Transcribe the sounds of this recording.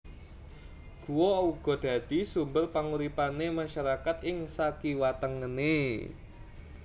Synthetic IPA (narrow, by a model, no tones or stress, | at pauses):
ɡ̥uwɔuɡ̥ɔd̪̥a̤d̪̥i̤sumbərpaŋuɾipanemaʃaɾakat̪ɪŋsakiwat̪əŋəne